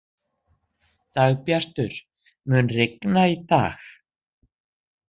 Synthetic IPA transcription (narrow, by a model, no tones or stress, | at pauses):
t̪aɣpjar̥t̪ʏɾ̥ | mʏnrɪknait̪a̰ːx